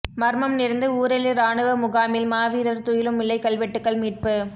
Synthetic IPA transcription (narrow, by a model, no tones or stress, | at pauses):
mɐɾmɐmnɪɾnd̪ɯuːɾɛlɪɾaːɳɯʋɐmʊɣaːmɪlmaːʋiːɾɐɾt̪ʊjɪlɯmːɪlːɐɪkːɐɭʋɛʈːɯkːɐɭmiːʈ̚pɯ